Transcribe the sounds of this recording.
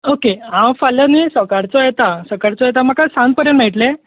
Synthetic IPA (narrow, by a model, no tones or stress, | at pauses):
okeãwfalənisəkaɾt͡sɔjet̪asəkaɾt͡sɔjet̪̬am̤akasãn̚pəɾjə̃nʈ̪m̤eʈle